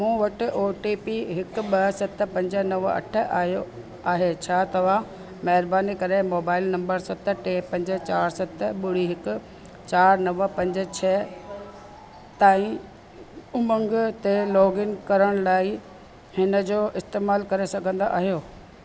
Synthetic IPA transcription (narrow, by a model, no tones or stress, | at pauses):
mũːʋɐʈɪ̆ʔoːʈiːpiɦɪkʊɓɐsɐt̪̆ʰpɐ̃ɲd͡ʑənɐʋɐ̰ʈʰə̆ʔaːɦjo | aːɦet͡ɕʰaːt̪ɐʋ̤a | mɐɦɪɾbaːnikɐɾemoːbaːɪlnɐ̃mbəɾsɐt̪̆ʰʈeːpɐ̃ɲd͡ʑə̆t͡ɕaːɾsɐt̪ʰɓʊɽ̤iɦɪkʊ̆ | t͡ɕaːɾnɐʋə̆pɐ̃ɲd͡ʑə̆t͡ɕʰɛː | t̪aːĩ | ʊmə̃ŋɡt̪elɔːɡɪnkɐɾəɽ̃laːi | hɪnə̆d͡ʑoːʔɪst̪eːmaːlkɐɾesɐɡʱə̃nd̪aʔa̰ːɦijoː